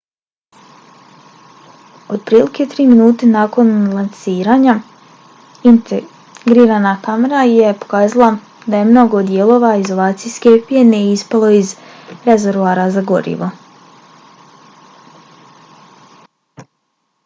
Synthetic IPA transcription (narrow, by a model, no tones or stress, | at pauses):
od̪̚pɾiːlike̞t̪ɾiːminuːt̪e̞naːko̞nlˠansiːɾaːɲa | int̪ | ɡɾiːɾaːnakameɾaje̞po̞̥kaːzalˠa | d̪aje̞mno̞ɡo̞d̪jelˠo̞ːʋaizo̞lˠaːt̪sijske̞pijenejispalo̞iz | ɾe̞ze̞ɾʋuaːɾazaɡo̞̰ɾḭʋo̞